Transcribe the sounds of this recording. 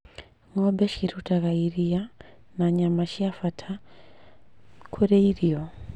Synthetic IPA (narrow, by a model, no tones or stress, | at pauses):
ŋɔbɛʃiɾutaɣaiɾia | naɲamaʃiafatʰa | kʰuɾɛiɾiɔ